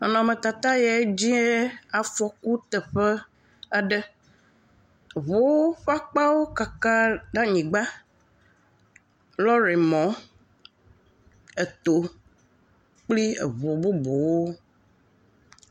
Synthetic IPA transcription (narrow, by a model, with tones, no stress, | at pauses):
nɔ̃˨mẽ˨t̪a˨t̪a˦ja˨˦d͡ʑi˦e˦a˨fɔ˨ku˦t̪ɛ˨ɸɛ˦ | a˦ɖɛ˦˨ | βo˨wo˦ɸa˦k͡pa˦wo˦ka˨ka˦ɖa˦ɲĩ˨ɡ͡ba˦ | lɔ˦ɾe˨mɔ̃˨˦ | e˨t̪o˨ | k͡pli˦ḛ˨vo˨bo˦bo˨wo˦